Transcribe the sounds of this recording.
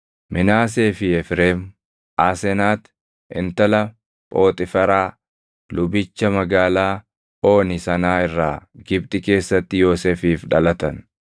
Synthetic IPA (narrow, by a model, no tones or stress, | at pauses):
mʔɪnaːs̬e̞ːfɪɛfɾeːm | ʔaːsɛnaːt̪ | ʔɪ̰nt̪ɐlɐ | pʼo̞ːt̪ʼɪfɐɾaː | lʊbɪt͡ʃːɐmɐɡaːlaː | o̞ːnɪsɐnaːɪrːaːɡɪbt̪ʼɪke̞ːsːɐt̪ːɪjo̞ːseːfiːfᶑɐlɐt̪ɐn